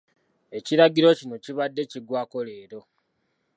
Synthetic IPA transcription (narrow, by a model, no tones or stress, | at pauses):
e̞ciɾaɡiɾo̞cino̞ciβadːe̞ciɡwaːko̞leːɾo̞